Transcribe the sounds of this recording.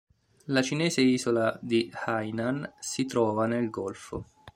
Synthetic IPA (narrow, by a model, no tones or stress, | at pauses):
lat͡ʃinɛːzeiːzolad̪ihajnansit̪ɾɔːvanelɡɔlfo̰